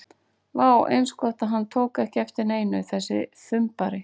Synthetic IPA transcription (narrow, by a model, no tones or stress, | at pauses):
vaːwʔḛjnskɔht̪aɦanːt̪ʰoːwkɛhcɪɛft̪ɪɾneːjnʏθɛsːɪ̰θʏmpaɾɪ